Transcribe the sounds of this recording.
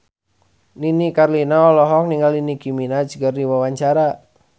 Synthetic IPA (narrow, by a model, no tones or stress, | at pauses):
ninikarlinaɔlɔɦɔk̚niŋɡalinikiminad͡ʒɡərdiwawaɲt͡ʃaɾa